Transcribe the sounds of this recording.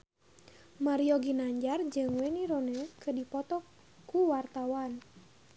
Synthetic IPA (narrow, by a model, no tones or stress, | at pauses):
maɾiɔɡinaɲd͡ʒard͡ʒɨŋwɛniɾonɛkədipɔt̪ɔ | kuwart̪awan